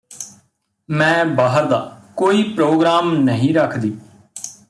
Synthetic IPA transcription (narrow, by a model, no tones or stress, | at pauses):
mɛ̃ːbaːɦəɾd̪aːkoːiːpɾoːɡɾaːmnəɦĩːɾəkʰd̪iː